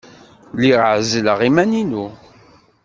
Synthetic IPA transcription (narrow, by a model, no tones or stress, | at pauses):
liʁʕzləʁimæninu